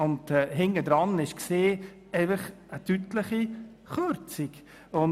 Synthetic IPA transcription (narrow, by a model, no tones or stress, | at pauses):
ʊndɛɦɪŋədɾɑnɪʃkseː | ɛɪfəχ | ətytləχi | χøɾt͡sik | ʊn